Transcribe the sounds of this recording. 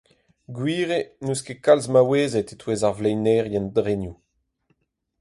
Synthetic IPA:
ɡwiːʁenuskekalzmaweːzetetweːzaʁvlɛjnɛːʁjɛ̃ndʁenju

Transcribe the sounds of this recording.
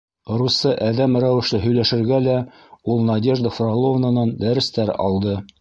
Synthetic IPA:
rusɤʔæðæmɾæwɘ̆ʃlɘɦɵ̆jlæʃɘ̆ɾɡælæ | ulˠnɐdʲe̞ʒd̪əfrɑlˠovnanɑnd̪æɾɘ̆st̪æɾɑ̰lˠd̪ɤ

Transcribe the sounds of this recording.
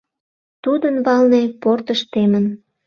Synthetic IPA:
t̪ud̪ənβɑlneport̪əʃt̪emən

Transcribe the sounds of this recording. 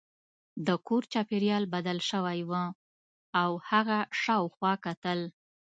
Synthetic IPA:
d̪əkoɾt͡ʃɑpeɾjɑlbad̪alʃəwajwə | awhaɣaʃɑwxwɑkat̪əl

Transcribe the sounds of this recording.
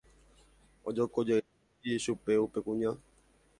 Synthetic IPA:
od͡ʒokod͡ʒe | iʃupeupekũɲã

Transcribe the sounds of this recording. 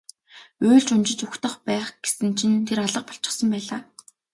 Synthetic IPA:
ʊːɮt͡ɕʊnt͡ɕɪ̆t͡ɕʊxt̪ə̆χpæːχɡ̥esɘ̆nt͡ɕʰint̪ʰeɾaɮə̆q̚pɔ̥ɬt͡ɕɪ̥̆χsə̆mpæːɮaː

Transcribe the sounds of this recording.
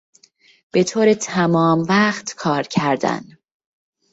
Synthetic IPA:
b̥e̞t̪ʰoːɾet̪ʰæmɒːmvæːχt̪kʰɒːɾcʰæɾd̪æ̰n

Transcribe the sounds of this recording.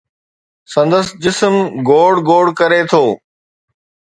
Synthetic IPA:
sɐ̃nd̪əsd͡ʑɪsmɡoːɽɡoːɽkɐɾet̪ʰoː

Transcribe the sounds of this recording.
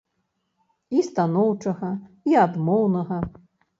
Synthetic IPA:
ist̪anɔwt͡ʂɐɣɐ | iad̪mɔwnɐɣɐ

